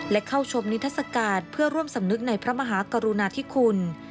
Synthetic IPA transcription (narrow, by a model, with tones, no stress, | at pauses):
lɛ˦˥kʰa˥˩wt͡ɕʰo˧mni˦˥t̪ʰːa˥t̪̚sa˧kaː˧˩npʰɯ˥˩ɐɾu˥˩əmsa˩˦mnɯ˦˥k̚na˧jpʰɾa˦˥ma˧ɦaː˩˦ka˧ɾu˧naː˧t̪ʰiː˥˩kʰu˧n